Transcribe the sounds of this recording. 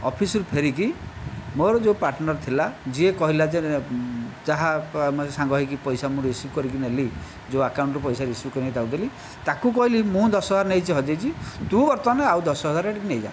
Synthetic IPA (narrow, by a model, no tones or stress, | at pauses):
ɔ̰pʰisuɾupʰeɾik̬imoɾɔd͡ʒepaɾʈnɔɾt̪ʰilad͡ʒiekɔɦilad͡ʒe | d͡ʒaɦamsãŋɡɔɦikipɔjsamũɾisukɔɾik̬ineli | d͡ʒeakawɳʈɔpɔjsaɾisukɔɾinejd̪awd̪eli | t̪akukɔɦilimũd̪ɔsɔɦɔaɾnejt͡ʃʰiɦɔd͡ʒejt͡ʃʰid̪ubɔɾt̪ɔneawd̪ɔsɔɦɔd͡ʒaɾeʈiknejd͡ʒa̰n